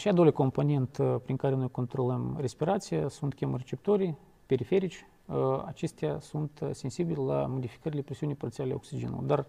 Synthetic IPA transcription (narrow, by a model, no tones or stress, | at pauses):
ʃiad̪olʲako̞mpo̞nʲe̞nt̪pɾiŋkaɾe̞no̞jko̞nt̪ɾo̞ləmre̞spiɾat̪sijasunt̪kʲemret͡ʃe̞p̚t̪oɾʲij | pe̞ɾife̞ɾit͡ʃʲ | əa̰t͡ʃe̞st̪ʲasunt̪se̞nsibilʲela̰mo̞d̪ifi̥kəɾilʲepɾʲesʲiunijpɾot̪sialʲeoksid͡ʒenṵlˠd̪ar